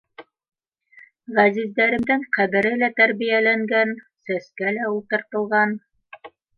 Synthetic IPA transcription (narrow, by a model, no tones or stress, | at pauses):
ʁæzizd̪æɾɘ̆md̪ɘŋqæβɘ̆ɾɘlæt̪æɾβijælæŋɡæn | sæskælæulˠt̪ɤ̆ɾt̪ɤ̆lˠʁɑn